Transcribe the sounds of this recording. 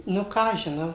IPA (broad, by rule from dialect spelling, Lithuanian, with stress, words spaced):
ˈnʊ ˈkɑː ɐʃ ʒʲɪˈnɐʊ